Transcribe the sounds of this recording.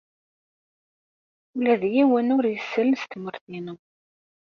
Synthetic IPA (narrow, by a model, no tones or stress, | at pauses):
ulæðjiwənʊɾjəsːələnst̪məɾθinu